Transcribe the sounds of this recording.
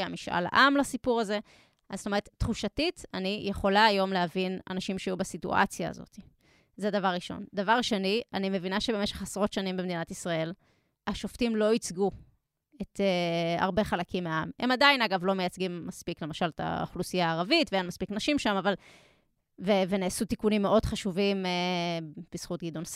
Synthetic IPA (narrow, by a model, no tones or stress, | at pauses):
amiʃʔa̰la̰ʔamlasipuʁaze̞ | ʔaz̥st̪oeʁet̪tːχuʃatitanijʔeχo̞laːjo̞mleɦavina̰naʃimʃeajubasitṵʔa̰t͡sja̰ːzo̞̰ti | zed̪avaʁʁiʃo̞̰nd̪avaʁʃenianime̞vinaʃe̞beme̞ʃe̞χasʁo̞tʃanimbemed̪inatisʁae̞l | aʃo̞ftimlo̞it͡sɡu | et̪ea̰ʁbe̞χalakimːeaamhe̞madainaɡavlo̞mejat͡sɡimːaspikle̞maʃalet̪a̰o̰χlusijaːʁavitveenmaspiknaʃimʃamaval | veveneːsut̪ikunimːeʔo̞dχaʃuvime | b̥isχutɡid̪ons